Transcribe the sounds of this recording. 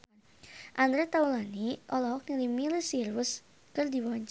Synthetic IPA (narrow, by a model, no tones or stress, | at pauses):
ʔand̪ɾɛt̪aulaniʔɔlɔɦɔk̚nilimilisirwʊs | kɨrdiwɔɲt͡ʃ